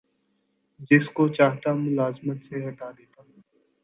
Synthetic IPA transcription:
d͡ʒɪskot͡ʃaːɦt̪amʊlaːzmət̪seɦɐʈad̪eːt̪aː

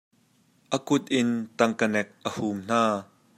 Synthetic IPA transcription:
ʔəkʊt̪̚ʔɪnt̪ɐŋkənɛk̚ʔəhumn̥aː

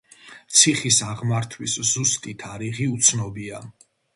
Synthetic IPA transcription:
t̪sʰiχisaʁmaɾt̪ʰwiszust̪ʼit̪ʰaɾiʁiut̪sʰnɔbia

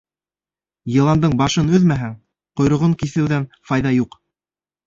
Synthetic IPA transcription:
jɤ̆lˠɑnd̪ɤɴbɑʃɤnɵðmæɦæŋ | qŏjɾŏʁɤɴkiθɘ̆wðænfɑjðɑjuq

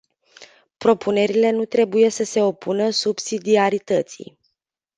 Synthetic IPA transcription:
pɾo̞pʰune̞ɾile̞nut̪ɾe̞buje̞səse̞o̞pʰunəsubsid̪iaɾit̪ət̪sḭj

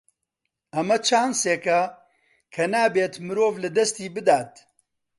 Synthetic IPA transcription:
ɐmɐt͡ʃʰaːnseːkɐ | kʰɐnaːbeːt̪mɨɾoːvlɨd̪ɐst̪iːbɨd̪aːt̪

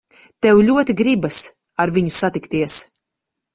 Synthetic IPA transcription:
t̪ɛwlʲuɔt̪iɡɾibas | aɾviɲusat̪ikt̪iɛs

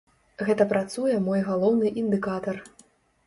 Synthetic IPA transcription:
ɣɛt̪ɐpɾat̪sujɛmɔjɣalˠɔwnɨʔind̪ɨkat̪ɐr

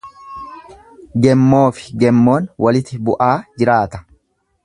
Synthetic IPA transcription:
ɡɛmːo̞ːfɪ̥ɡɛmːo̞ːnwʔɐlɪt̪ɪbʊʔaːd͡ʒɪɾaːt̪ɐ̥

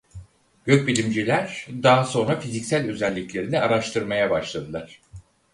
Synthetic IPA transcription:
ɟ̥øc̚bilʲimd͡ʒilʲæɾ̥d̪aːso̞nɾafizicsælʲø̞zælʲːiclʲe̞ɾinɛaɾaʃt̪ʰɯɾmajabaʃlˠad̪ɯlˠaɾ̥

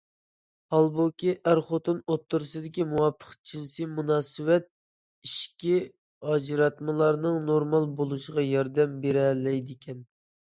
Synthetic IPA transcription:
hɑlˠbokʲiʔæɾχot̪onot̪ʰːʊɾɨsɨd̪ɪkʲimuwɑpʰːə̥χt͡ʃʰinsimunɑːsɨwɛt̪̚ | iʃkʲi | ɑd͡ʒɨɾɑt̪mɨlˠɑɾnɨŋnoɾmɑlˠbolˠuʃəʁɑjɑɾd̪ɛmbeɾɛlɛjd̪ɪkʲʰɛn

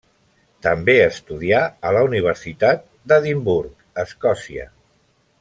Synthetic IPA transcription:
t̪əmbeəst̪uðiaələuniβ̞əɾsit̪at̪̚ | d̪əðimbuɾk | əskɔsiə̰

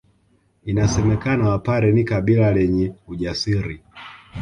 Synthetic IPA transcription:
inasɛmɛkanawapaɾɛnikaɓilalɛɲɛuʄasiɾi

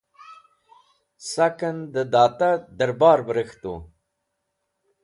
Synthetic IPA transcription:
sakənd̪əd̪ɑːt̪ad̪əɾbɑːɾbəɾəxt̪o̰

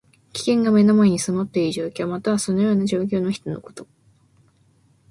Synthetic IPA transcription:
kʲi̥kẽ̞ŋɡame̞nomaeɲ̟isɨmo̞t̪ːe̞iʑo̞ːkʲo̞ːmat̪aβaso̞no̞jo̞ːnaʑo̞ːk̬ʲo̞ːnoçi̥t̪o̞no̞̰ko̞̥t̪o̞̥

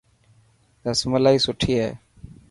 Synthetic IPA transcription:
d̪əsməlaːiːsʊʈʰiːɦɛ̰ː

